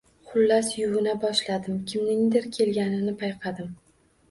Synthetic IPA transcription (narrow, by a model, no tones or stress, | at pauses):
χʰʊlːasjʊvɪnabɒʃlad̪ɪmkʲʰɪmnɪŋd̪ɪɾkʲʰe̞lɡʲanɪnɪpʰajqʰɑd̪ɪm